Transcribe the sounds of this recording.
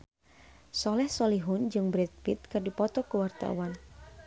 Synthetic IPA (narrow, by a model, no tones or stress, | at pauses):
sɔlɛhsɔliɦund͡ʒɨŋbɾɛt̪̚pit̪̚kɨrdipɔt̪ɔkəwart̪a̰wan